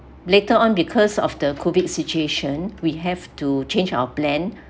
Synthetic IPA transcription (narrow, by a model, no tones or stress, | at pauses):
letəɔ̃nbikʰɔsɔ̰fdəkʰovitsit͡ʃueʃə̃nwiɦɛvtut͡ʃẽnd͡ʒa̰wəplɛ̃n